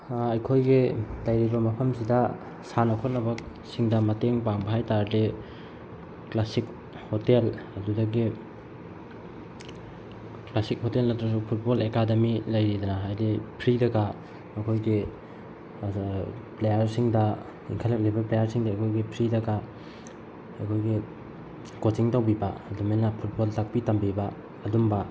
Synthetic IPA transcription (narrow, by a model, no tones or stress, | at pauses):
ɐjkʰojɡitajɾiɾomɐpʰɐmsidɐ | sanɐkʰot̚nɐbɐ | siŋdɐmɐteŋpaŋbɐɦajtaɾde | klasik̚ | hotelɐdudɐɡi | klasik̚hotelnɐtɾɐsupʰut̚bolekademilɐjɾidɐnaɦajdipʰɾidɐɡa | ɐkʰojɡi | plejɐɾsiŋdɐ | iŋkʰalɐk̚lejbɐplejɐɾsiŋdɐːkʰojɡipʰɾidɐɡɐ | ɐkʰojɡi | kotiŋtawbibɐɐdumenːɐpʰut̚boltʰak̚pitambibɐː | dumbɐ